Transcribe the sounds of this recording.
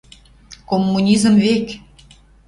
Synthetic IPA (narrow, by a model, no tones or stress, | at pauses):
komːunʲizə̆mvek